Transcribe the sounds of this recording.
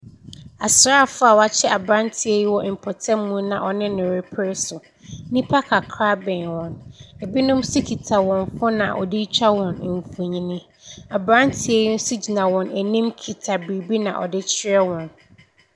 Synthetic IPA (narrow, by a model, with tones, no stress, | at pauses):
a˨sʊ˨˦ɾa˦˨fʊ˦a˨wa˦t͡ɕʰɛ˦ʔa˨bɾã˦ntʰi˨e˦ji˦wɔ˦ɪ˨m̩˨pʰɔ˨tʰɛ˦mũ˦nã˨ʔɔ˨nɪ̃˦nɪ̃˨ɾɪ˨pʰɪ˦ɾɪ˦sʊ˨ | nĩ˦pʰa˦kʰa˨kʰɾa˦bɛ̃˨nwɔ̃˨ne˨bi˦nʊ̃˦msi˦kʰi˨tʰa˨wɔ̃˨nfʊ˦nã̰˨ʔɔ̰˨di˦t͡ɕʰᶣa˦wɔ̃˨n˨ɱ˨fu˨ɲĩ˦nĩ˦ | a˨bɾã˦ntʰi˨e˦ji˦n̩˦su˦d͡ʑi˨nã˨wɔ̃˨næ˨nĩ˦mkʰi˨tʰa˨bi˨bi˦nã̰˨ʔɔ̰˨dɪ˦t͡ɕʰɪ˦ɛ˦wɔ̃˨n